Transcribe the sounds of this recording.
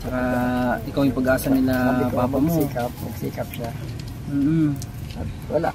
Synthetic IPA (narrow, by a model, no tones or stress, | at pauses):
t͡ʃɐkaʔɪkawjʊmpɐɡʔaːsɐnɪlabaːbaʔmoiːkɐp̚mɐɡsḭːkɐp̚ʃa | m̩ːʔ̩ | ɐt̪wɐla̰